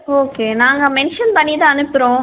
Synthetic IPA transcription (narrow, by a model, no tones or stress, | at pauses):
oːkeːnaːŋɡɐmɛnʂɐnpɐɳːit̪ãːɐnɯpːɪɾõː